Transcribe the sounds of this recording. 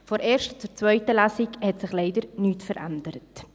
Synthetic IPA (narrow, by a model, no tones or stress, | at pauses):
fɔɾeːɾʃtt͡suːɾt͡svœʏtəlasikhɛtsɪχleɪdəɾnyːtfəɾʔa̰ndəɾət